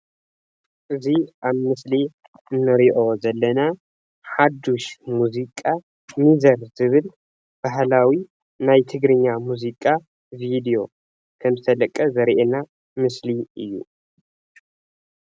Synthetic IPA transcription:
ʔɨziʔaβmɨsli | ɨnːɨɾiʔo̞zɐlːɐna | ħad̪uʃmuzikʼa | mizɐɾzɨβɨl | b̥aɦlawi | najt̪ʰɨɡɾɨɲːamuzikʼa | vid̪ijo̞ | kʰɐmzɨt̪ʰɐlɐkʼɐzɐɾʔena | mɨsliʔɨjːṵ

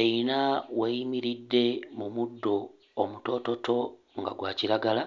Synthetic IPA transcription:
einawejimiɾidːe̞mumudːo̞ː | muto̞to̞tʰo̞ | ŋɡa̰ɡwaːciɾaɡala

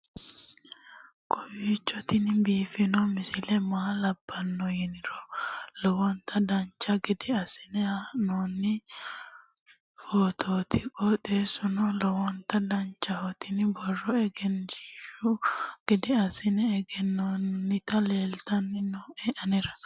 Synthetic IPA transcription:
kʼɔjiːt͡ʃːɔt̪ɪnbiːfɪnɔmɪsɪlɛmaːlɐbːɐnːɔjɪnɪɾɔlɔwɔnt̪ɐd̪ɐnt͡ʃːɐɡɪd̪ɪɐsɪ̥nɛanoːnːɪ | foːt̪ʰoːt̪ɪkʼɔd̪eːsʊnɔlɔwɔnt̪ɐd̪ɐnt͡ʃːɐhɔt̪ɪnɪbɔrːɔɛɡɛnd͡ʒiːʃʊɡ̥ɪd̪ɪɐsɪnɛɛɡɛnːonːɪt̪ɐleːlt̪ɐnːɪnɔɛʔɐnɪɾɐ

